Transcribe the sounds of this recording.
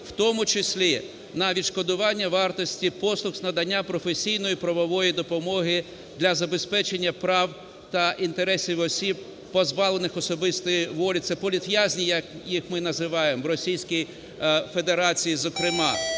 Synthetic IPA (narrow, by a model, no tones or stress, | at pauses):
w̥t̪ɔmʊt͡ʃɪsʲlʲi | nɐʋʲid̪ʃkɔd̪ʊʋɑnʲːɐʋɑrt̪ɔsʲtʲipɔslˠʊxz̥nɐd̪ɐnʲːapɾɔfesʲijnɔjipɾɐʋɔʋɔjid̪ɔpɔmɔɦɪ | d̪lʲɐzɐbe̞spɛt͡ʃenʲːɐpɾɑw | t̪ɐʔint̪eɾɛsʲiwɔsʲib̚ | pɔzbɑlˠenɪxɔsɔbɪst̪ɔjiʋɔlʲit̪sɛpɔlʲit̪ʋʲjazʲnʲijɐkjixmɪnɐzɪʋɑjemɔɾɔsʲijsʲkʲij | fe̞d̪eɾɑt͡sʲijizɔkɾɪmɑ